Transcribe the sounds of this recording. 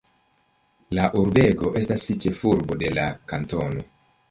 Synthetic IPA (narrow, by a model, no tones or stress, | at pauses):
laʔuɾbe̞ɡo̞ʔe̞stasːit͡ʃe̞fuɾbo̞de̞lakanto̞no̞